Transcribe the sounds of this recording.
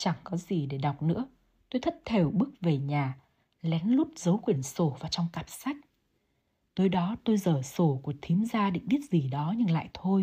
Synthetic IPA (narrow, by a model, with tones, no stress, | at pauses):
t͡ɕa˧˩ŋkɔ˨˦zi˨˩ɗe˧˩ɗa˨˩wk͡p̚nɨ̰˧˥ə | t̪o˧jt̪ʰə˦˥t̚t̪ʰe˧˩wɓɨ˦˥k̚ve˨˩ɲaː˨˩ | lɛ˨˦nlʊ˦˥p̚zə˨˦wkwi˧˩ənso˧˩vaː˨˩t͡ɕɔ˧wŋ͡mkaː˨˩p̚sa˦˥jk̟̚ | t̪o˨˧jɗɔ˨˦t̪o˧jzəː˧˩so˧˩ku˧˨˩ət̪ʰi˨˦mzaː˧ɗḭ˧˨ŋ̟ɓi˦˥ət̚z̥i˨˩ɗɔ˨˦ɲɨ˧ŋla̰ː˧˨jt̪ʰo˧j